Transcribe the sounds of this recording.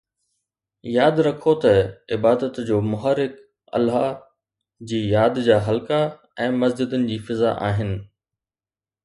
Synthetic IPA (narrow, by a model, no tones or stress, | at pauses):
jaːd̪ɾɐkʰot̪ɐɪbaːd̪ət̪d͡ʑoːmʊɦaːɾɪk | ɐ̰lɦa | d͡ʑiːjaːd̪d͡ʑaːɦɐlka | ɛ̃ːmɐsd͡ʑɪd̪ʊnɪ̆d͡ʑiːfɪza̰ʔa̰ːɦɪnɪ̆